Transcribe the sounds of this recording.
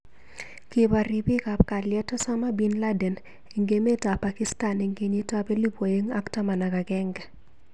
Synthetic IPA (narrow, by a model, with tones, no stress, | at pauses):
ki˨ba˨ɾɪ˨bi˦ka˨p̚ka˨ljɛ˦tɔ˦sa˦ma˦bi˦nla˦dɛ˨n | e˨ŋɡe˦me˦ta˨pa˨ki˦sta˨ne˨ŋɡe˨ɲi˦ta˦be˦li˦pwo˨je˦ŋa˦kta˦ma˨na˨ɡa˨ɡɛ˦ŋɡɛ˨